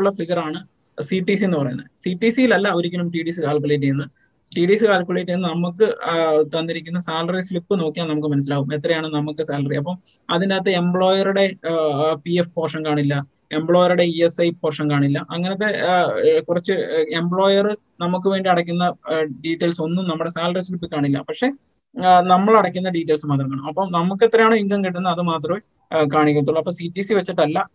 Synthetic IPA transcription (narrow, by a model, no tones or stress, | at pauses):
uɭːɐfiɣɐraːɳɨ | siʈːisienːɨpɐrɐjunːɐsiʈːisijilɐlːɐoɾikʲːɐlumʈiːɽisɨkaːlk̬ːuleːʈ̬ːijunːɐ | ʈiːɽiːsɨkaːlkʲːuɭeːʈːjnːɨnɐmukːɨt̪ɐnːiɾikʲːunːɐsaːlɐrislipːɨno̞ːkːijaːmnɐmukːɨmɐnɐs̬ilaːɣumet̪ːrɐjaːɳɨnɐmukːɨsaːlɐriɐp̬ːɐm | ɐðindeːt̪ːeembɭo̞ːjɐruɽe̞ | piefpɐːʂɐmkaːɳilːɐ | e̞mbɭo̞ːjɐɾuɽe̞iesɐjpɐrʂɐmkaːɳilːɐʔɐŋːɐnɐt̪̬ːe̞kurɐt͡ɕːɨembɭoːjɐrɨ | nɐmuk̬ːɨʋe̞ːɳɖiɐɽɐk̬ʲːunːɐɖiːʈːelso̞nːumnɐmːuɽe̞saːlɐrispiʈːɨkaːɳilːɐ̰pɐkʂe̞ | nɐmːɐɭɐɽɐkʲːunːɐɖiːʈːelsɨmaːt̪̬rɐmkaːɳɐmɐpːɐmnɐmuk̬ːe̞t̪ːrɐjaːɳɨiŋɡɐŋkiʈːunːɐɐðɨmaːt̪̬rɐme | kaːɳik̬ʲːɐɾut̪ːuɭːɐpːɐːsiʈːisiʋɐt͡ɕːiʈːɐlːɐ